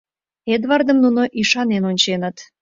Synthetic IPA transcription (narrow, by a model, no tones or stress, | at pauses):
ed̪vɑrd̪əmnunoʔiʃɑnenonʲt͡ɕenət̪